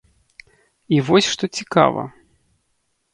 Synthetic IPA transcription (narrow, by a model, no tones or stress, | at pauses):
ivɔsʲʂt̪ɔt͡sʲika̰vɐ̰